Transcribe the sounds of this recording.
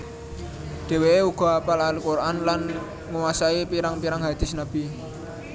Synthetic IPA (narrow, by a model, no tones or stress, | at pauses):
ɖ̪̥e̤weeuɡ̥ɔ̤apalalukorʔanlan | ŋuwasaipiɾaŋpiɾaŋɦad̪̥ɪ̤snab̥i